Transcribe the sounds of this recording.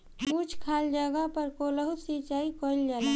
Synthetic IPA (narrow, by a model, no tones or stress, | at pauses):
ut͡ʃʰkʰaːld͡ʒəɡəpəɾkoləɦusit͡ʃaːikoild͡ʒala